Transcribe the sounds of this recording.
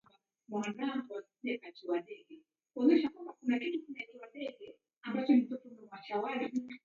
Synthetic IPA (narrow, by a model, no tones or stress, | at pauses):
a | mwanaŋɡuwasiɗɛkat͡ʃiwaɗɛɡɛ | kuɔnɛʃakwambakunakitukunakiwaɗɛɡɛ | ambat͡ʃɔnitɔfunɔmwaʃawali